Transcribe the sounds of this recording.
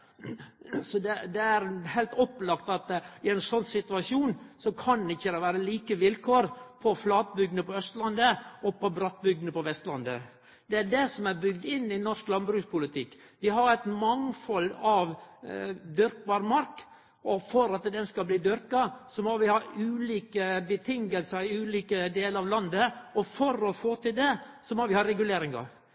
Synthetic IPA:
sɔd̪ɛd̪ɛæɾhælt̪ɔpːlɑkt̪ɑt̪ɪæɪnsɔnːsɪt̪ʉɑsuːnsɔkʰɑnd̪ɪçːəd̪ɛʋæːɾəliːkəʋɪlkʰoːɾpʰɔflɑːt̪̚bʏɡnəpɔœst̪lɑnd̪əɔpʰɔbɾɑt̪̚bʏɡ̚d̪nəpɔʋɛst̪lɑnd̪ə | d̪̥ɛæɖɛsɔmæɾbʏɡd̪ɪnːɪnɔɾʂklɑnbɾʉːspʊlɪt̪ʰɪkː | ʋɪɦɑɾæɪt̪mɑŋfɔlːɑʋ | d̪ʏɾkʋɑːɾmɑɾk | ʔɔfɔɾɑt̪d̪ɛnskɑlbliːd̪ʏɾkɑsɔmɔʋɪhɑʉːliːkəbət̪ʰɪŋəlsəɾɪʉːliːkəd̪eːləɾɑʋlɑnd̪əɔfɔɾɔfoːt̪ɪld̪ɛ | sɔmɔʋɪhɑɾɛɡʉleːɾɪŋɑ̰

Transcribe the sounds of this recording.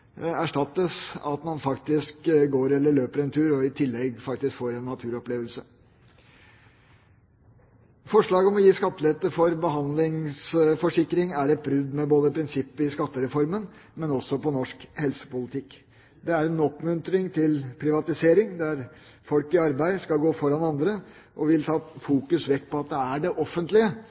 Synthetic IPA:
æʂʈɑt̪ːəsɑ̰t̪mɑnfɑkt̪ɪskɡoːɾɛlːəɭøːpəɾɛnt̪ʰʉːɾɔɪt̪ʰɪlːɛɡfɑkt̪ɪskfoːɾɛnːɑt̪ʰʉːɾɔpleːʋəlsə | fɔʂɭɑːɡɔmɔjiːskɑt̪ːəlɛt̪ːəfɔɾbəɦɑnd̪lɪŋsfɔʂɪkːɾɪŋæɾɛt̪̚bɾʉd̪mɛboːd̪əpʰɾɪnsɪpːəɪskɑt̪ːəɾɛfɔɾmənmɛnɔsːɔpɔnɔʂkhɛlsə̥pʊlɪt̪ʰɪkː | d̪ɛæɾɛnɔpːmʉnt̪ɾɪŋt̪ʰɪlpʰɾɪʋɑt̪ɪseːɾɪŋd̪æɾfɔlkɪɑɾbæɪskɑlɡoːfɔɾɑnɑnd̪ɾə | ʔɔʋɪlt̪ʰɑːfuːkʉsʋɛkːpɔɑt̪̚d̪ɛæɖɛʔɔfːənt̪lɪə

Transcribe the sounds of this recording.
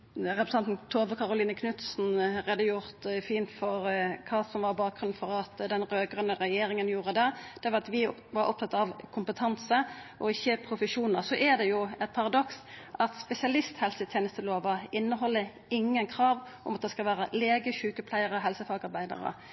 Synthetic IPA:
ʁɛpɾəsɑnt̪n̩t̪ʰoːʋəkʰɑɾʊliːnəkʰnʉt̪sn̩ɾeːd̪əjʊɾt̪fiːnt̪fɔɾkʰɑːsɔmʋɑɾbɑːk̚ɡʁʉnnfɔɾɑt̪d̪ɛnɾøːɡʁənəɾɛjeːɾɪŋənjuːʁəd̪ɛd̪̥ɛʋɑɑt̪ʋɪʋɑɾʔɔ̰p̚t̪ɑt̪ɑʋkʰʊmpət̪ʰɑnsəʔɔɪçːəpʰɾʊfəʃuːnəʁsɔʔɛd̪ɛjʊɛt̪̚pʰɑɾɑd̪ɔksʔɑt̪spɛsɪɑlɪst̪hɛlsət̪ʰjeːnəst̪əloːʋɑɪnːəɦɔlːə | ɪŋːənkʰɾɑːʋʔʊ̰mɑt̪̚d̪ɛskɑʋæːɾəleːɡəçʉːkəpʰlæɪəɾɔɦɛlsəfɑːɡɑɾbæɪd̪ɑ̰ɾə̰

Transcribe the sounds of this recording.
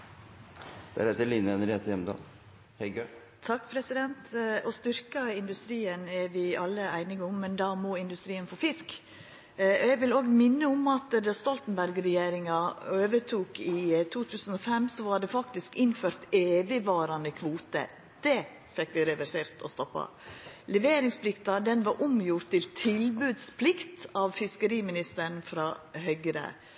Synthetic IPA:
d̪̥æ̰ɾɛt̪əɭiːnəɛnəɾeːt̪əjɛmd̪ɑ̰ːl | hɛɪɡø | t̪ʰɑkːpʰɾɛsɪd̪ɛnt̪ɔst̪ʏɾkɑɪnd̪ʉst̪ɾiːənæɾʋɪɑlːəæɪnɪɡʊmːɛnd̪ɑmɔɪnd̪ʉst̪ɾiːənfoːfɪsk | ɛɡʋɪloːɡmɪnːəʊmɑt̪d̪ɑst̪ɔlt̪n̩bæɾɡɾɛjeːɾɪŋɑøːʋət̪ʰuːkɪt̪ʰuːt̪ʰʉːsən̩ɔfɛmsɔʋɑɖɛfɑkt̪ɪskɪnføːɾt̪eːʋɪʋɑːɾɑnəkʰʋuːt̪ə̰ | d̪̥ɛ | fɛkːʋɪɾɛʋæseːɾt̪ʰɔ̰st̪ɔpːɑ̰ | lɛʋeːɾɪŋspʰlɪkt̪ɑd̪ɛnʋɑɾʔʊmjʊɾt̪ʰːɪlt̪ʰɪlbʉd̪spʰlɪkt̪ɑʋfɪskəɾiːmɪnɪst̪əɾɳfɾɑːɦœʏɡɾə̰

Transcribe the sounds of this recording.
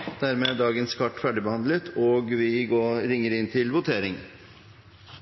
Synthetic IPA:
d̪̥æɾmeːd̪ɑːɡənskʰɑʈːfæɖɪbəhɑnd̪lət̪ʰɔːɡʋɪɡoːɾɪŋːəɾɪnt̪ʰɪlʋʊt̪ʰeːɾɪŋ

